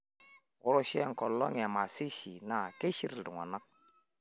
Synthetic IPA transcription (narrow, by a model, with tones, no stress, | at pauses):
wʊ˦ɾu˦˨ʃɛ˦ŋ̩˨kɔ˨llɔ˦ŋ˨ɛ˨ma˨si˦ʃi˨na˨ke˦ʃi˦ɾldu˨ŋa̰˨na˦k̚